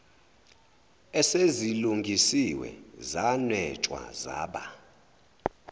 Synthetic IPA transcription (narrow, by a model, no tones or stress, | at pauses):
ɛseziluŋɡʱisiwɛ̰zanwɛt͡ʃʼwa̰za̰ːɓa